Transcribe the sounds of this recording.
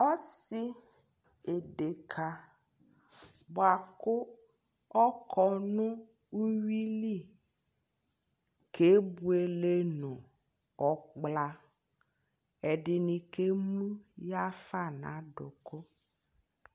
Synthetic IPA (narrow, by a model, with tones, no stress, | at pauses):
ɔ˦si˦ | e˨ɖe˨kʰa˦ | bo˨a˨kʊ˦ | ɔ˦kʰɔ˦nũ˦ | u˦wi˦li˦˨ | kʰe˦bu˦e˨le˦nũ˨ | ɔ˨k͡pla˦ | e˨ɖɪ˨nĩ˨ke˦mũ˦ja˦fa˦˨nã̰˨˦ɖʊ˨ko˦